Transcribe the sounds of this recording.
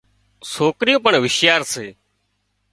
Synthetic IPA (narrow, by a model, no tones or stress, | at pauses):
soːkɾɪjõːpəɳʋɪʃjaːɾseː